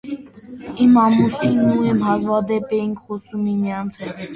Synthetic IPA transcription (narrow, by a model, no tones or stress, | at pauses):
imɑmusinnuɛmɦɑzvɑd̪ɛpɛjiŋkʰχɔsʰumimijɑnt͡sʰɛt̪ʰ